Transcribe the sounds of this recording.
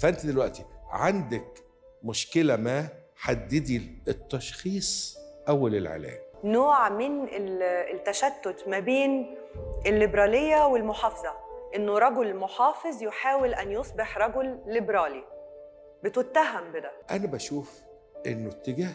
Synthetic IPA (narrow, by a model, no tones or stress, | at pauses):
fæʔent̪id̪elwæʔt̪iʕand̪æk | mʊʃkelæmæ | ħad̪ːed̪iet̪ːɑʃxiːsˤʔæwːælelʕḛlæ̰ːmnoːʕmɪnet̪ːæʃæt̪ːot̪mæbeːn | ʔɪlːɪbɾˤɑːlejːæwɪlmoħɑːfɑzˤɑʔɪnːoɾˤɑɡolmoħɑːfezˤjoħaːwɪlʔænjosˤbeħɾˤɑɡolːɪbɾˤɑːli | bɪt̪ʊt̪ːæɦæmbɪd̪æʔænæbæʃuːf | ʔḛnːot̪ːeɡæːh